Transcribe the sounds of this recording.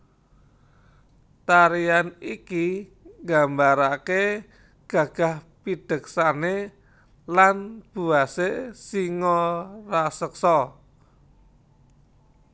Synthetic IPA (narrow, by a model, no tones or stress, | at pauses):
t̪aɾianiki | ŋɡambaɾake | ɡ̥a̤ɡ̥a̤hpid̥ə̤ksane | lanb̥ṳasesiŋɔrasəksɔ